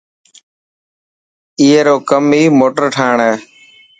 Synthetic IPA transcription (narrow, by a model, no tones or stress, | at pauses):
iːeːɾoːkəmiːmoːʈəɾʈʰaːɳɛː